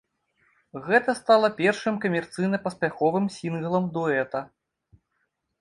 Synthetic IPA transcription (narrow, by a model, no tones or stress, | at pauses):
ɣɛt̪ɐst̪alˠɐpʲɛrʂɨmkɐmʲɛrt̪sɨjnɐpɐspʲaxɔvɨmsʲinɣɐlˠɐmd̪ɔɛt̪ɐ